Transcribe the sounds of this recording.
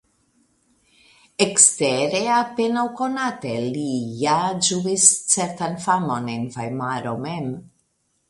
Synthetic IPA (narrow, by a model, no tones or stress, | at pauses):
ekst̪ɛɾeapenawkonat̪elijad͡ʒuist͡sɛɾt̪anfamonenfajmaɾomɛm